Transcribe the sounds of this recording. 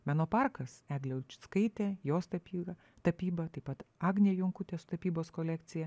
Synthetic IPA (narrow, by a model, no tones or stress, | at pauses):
mʲænoːpɑɾkɐsæːɡlʲɛʊlʲt͡ʃʲʊ̥skɐɪt̪ʲeːjoːst̪ɐpʲiɐ | t̪ɐpʲiːbɐt̪ɐɪpɐt̪ɑːɡnʲeːjʊŋkʊt̪ʲeːsʊ̥t̪ɐpʲiːboːskoːlʲækt̪sʲɪjɛ